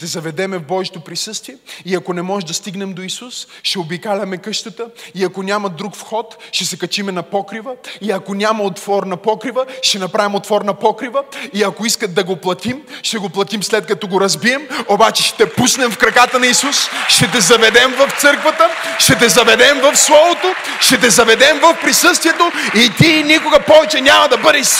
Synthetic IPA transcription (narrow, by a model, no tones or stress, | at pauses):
t̪ɛzɐvɛd̪ɛmɛvbɔʒit̪opɾisɤst̪viɛiɐkonɛmɔʒd̪ɐst̪iɡnɛmd̪oisus | ʃɛobikalʲɐmɛkɤʃt̪ət̪əiɐkonʲamɐd̪ɾukfxɔt̪ʃɛsɛkɐt͡ʃimɛnɐpɔkɾivəiɐkonʲamɐot̪vɔɾnɐpɔkɾivəʃt̪ɛnɐpɾavʲimot̪fɔɾnɐpɔkɾivəiɐkoiskət̪̚d̪ɐɡoplˠɐt̪imʃt̪ɛɡoplˠɐt̪imslɛt̪̚kɐt̪ɔɡoɾɐzbiɛmobat͡ʃɛ̥ʃɛ̥t̪ɛpusnɛmfkɾɐkat̪ɐnɐisusʃɛt̪̬ɛzɐvɛd̪ɛmvɐft̪sɤɾkvɐt̪əʃt̪ɛt̪̬ɛzɐvɛd̪ɛmvɐfslˠɔvot̪o | ʃɛt̪ɛzɐvɛd̪ɛmvɐfpɾisɤst̪viɛt̪oit̪inʲikʊɡɐpɔvɛt͡ʃɛnʲamɐd̪ɐbɤd̪ɛʃ